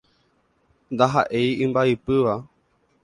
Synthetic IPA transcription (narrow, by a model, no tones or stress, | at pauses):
nd̪aɦa̰ʔe̞jɨ̃mbaipɨʋa